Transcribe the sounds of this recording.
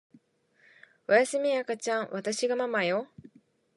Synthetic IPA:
ojasɨmʲiakat͡ɕãɰ̃βat̪aɕiɡamamajo

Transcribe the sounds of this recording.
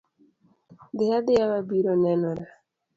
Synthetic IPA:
dɪad̪ɪawabiɾonɛnɔɾa

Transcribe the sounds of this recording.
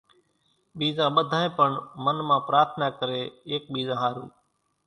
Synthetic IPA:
ɓiːzãːɓəd̪ʱaːẽːpəɳmənmãːpɾaːɾt̪ʰnaːkəɾeːeːk̚ɓiːzãːɦaːɾṵː

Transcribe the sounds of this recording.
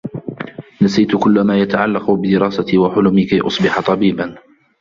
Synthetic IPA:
nasijt̪kʊlːmaːjat̪aʕalːɑqʊbɪd̪ɪɾɑːsat̪iːwaħʊlʊmɪkajʔʊ̰sˤbɪħat̪ˤɑbiːban

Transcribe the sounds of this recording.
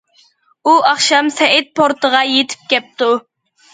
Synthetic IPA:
uɑχʃɑmsɛɪt̪̚pʰoɾt̪əʁɑjet̪ʰɪ̥p̚kʲɛp̚t̪u

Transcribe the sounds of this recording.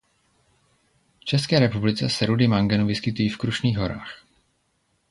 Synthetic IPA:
ft͡ʃɛskɛːɾɛpublɪt͡sɛsɛɾudɪmaŋɡɛnuvɪskɪt̪ujiːfkɾuʃniːɣɦo̞ɾa̰ːx

